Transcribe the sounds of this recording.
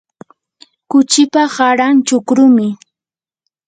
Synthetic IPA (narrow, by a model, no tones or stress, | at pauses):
kʊt͡ʃɪpaɢaɾant͡ʃʊkɾʊmɪ